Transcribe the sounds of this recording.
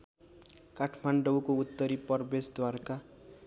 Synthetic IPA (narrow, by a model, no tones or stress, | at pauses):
kaʈʰmaɳɖʌwkout̪ːʌɾipʌrbesd̪warka